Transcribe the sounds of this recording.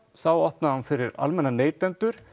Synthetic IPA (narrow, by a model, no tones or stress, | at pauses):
θawɔhpnahanfɪɾɪɾa̰lmɛnːaneːjt̪ɛnt̪ʏɾ̥